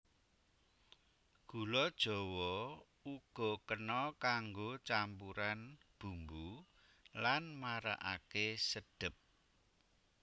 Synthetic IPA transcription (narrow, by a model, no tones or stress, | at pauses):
ɡ̥ṳlɔd̥ʒ̥ɔ̤wɔ | uɡ̥ɔ̤kənɔkaŋɡot͡ʃampuɾanb̥ṳmbu | lanmaɾa̰ʔa̰kesəd̥ə̤p̚